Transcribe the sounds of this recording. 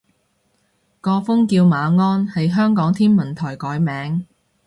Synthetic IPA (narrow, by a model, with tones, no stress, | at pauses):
kɔː˧fʊ˥ŋkiː˧wmaː˨˧ŋɔː˥nhɐ˨jɦœː˥ŋkɔː˨˥ŋt̪ʰiː˥nmɐ˨˩nt̪ʰɔː˨˩jkɔː˨˥jmɛː˨˥ŋ